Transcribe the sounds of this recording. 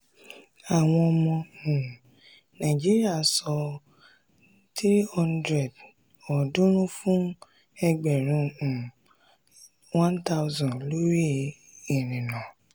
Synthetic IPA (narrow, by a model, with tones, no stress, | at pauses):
a˨w̃ɔ̃˧ɔ˧mɔ̃˧ũ˨ | nã˨d͡ʒi˦ɾi˦a˦˨sɔ˧ | tɾi˦hɔ̃˦ndɾɛ˨d | ɔ˨dũ˦ɾ̃ũ˦fũ˦ | ɛ˧ɡ͡bɛ˨ɾ̃ũ˧˨ | wã˦nta˦wzɔ̃˨lo˦ɾi˦˨ | e˨nĩ˨nã˨